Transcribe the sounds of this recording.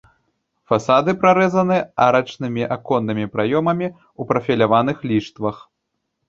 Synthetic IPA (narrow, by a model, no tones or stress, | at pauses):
fasad̪ɨpɾaɾɛzɐnɨaɾɐt͡ʂnɨmʲiʔakɔnːɨmʲipɾajɔmɐmʲi | upɾɐfʲilʲavanɨxlʲiʂt̪vɐx